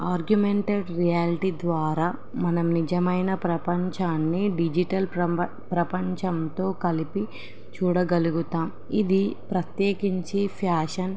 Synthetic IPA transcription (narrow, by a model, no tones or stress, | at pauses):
aːɾɡjumeɳʈeɖɾijaːliʈid̪ʋaːɾaː | mɐnɐmnid͡ʒɐmɐjnɐpɾɐpɐɲt͡ʃaːnːiɖid͡ʒiʈɐl | pɾɐpɐɲt͡ʃɐnt̪o̞ːkɐlipi | t͡ʃuːɽɐɡɐluɡut̪aːm | id̪ipɾɐt̪jeːkiɲt͡ʃipʰaːʂɐn